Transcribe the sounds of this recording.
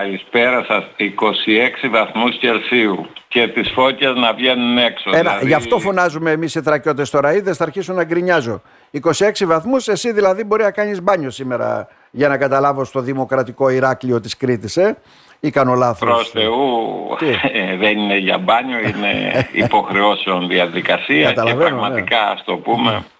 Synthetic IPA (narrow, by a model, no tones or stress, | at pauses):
ɐlispe̞ɾɐsɐsiko̞sie̞ksivɐθmusce̞lsiuce̞t̪isfo̞cɐznɐvʝe̞nune̞ksoenɐʝɐft̪o̞fo̞nɐzumeːmisiθɾɐco̞t̪ːest̪o̞ɾɐiðesθɐɾçisunːɐɡɾiɲɐzo̞ | iko̞sie̞ksivɐθmuse̞siðilɐðibo̞ɾinɐkɐɲizbɐɲo̞sime̞ɾɐ̰ | ʝɐnɐkɐt̪ɐlɐvo̞st̪o̞ðimo̞kɾɐt̪iko̞iɾɐklio̞t̪iskɾit̪ise̞ | ikɐno̞lɐθoɾost̪eu | ðenineʝɐ̰bɐɲoinḛḭpo̞xɾe̞o̞seonðiɐðikɐsiɐɐt̪ɐlɐvenoɣmɐnt̪ikɐɐ̰st̪opume̞